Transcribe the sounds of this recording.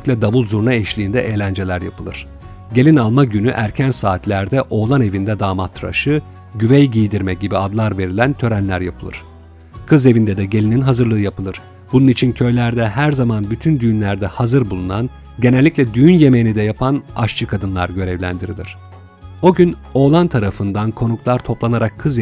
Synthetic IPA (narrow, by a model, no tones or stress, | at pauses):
lʲicʲlʲɛd̪avulˠzuɾnaɛʃlʲiːnd̪ɛʔeːlʲænd͡ʒe̞lʲæɾja̰pʰɯlˠɯ̰ɾ̥ | ɟe̞lʲinalˠmaɟynyʔæɾcʰænsaːt̪ʰlʲæɾd̪ɛʔo̞ːlˠane̞vind̪ɛd̪aːmat̪ʰːɾa̰ʃɯ | ɟyvɛjɟijd̪iɾmɛc̚ɟibiad̪lˠaɾve̞ɾilʲænt̪ʰø̞ɾænlʲæɾjapʰɯlˠɯ̰ɾ̥ | kʰɯze̞vind̪ɛd̪ɛɟe̞lʲininɦazɯɾlˠɯːjapɯlˠɯɾ̥ | bununit͡ʃʰincʰø̞jlʲæɾd̪ɛɦæɾzamanbyt̪ʰynd̪yjynlʲæɾd̪ɛhazɯɾbulˠunan | ɟe̞nælʲːicʲlʲɛd̪yjynje̞mejinid̪ɛjapʰana̰ʃt͡ʃʰɯkʰad̪ɯnlˠaɾɟø̞ɾɛvlʲæ̰nd̪iɾilʲḭɾ̝̥ | o̞ɟyno̞ːlˠant̪ʰaɾafɯnd̪ankʰo̞nuklˠaɾt̪ʰo̞plˠanaɾakʰːɯz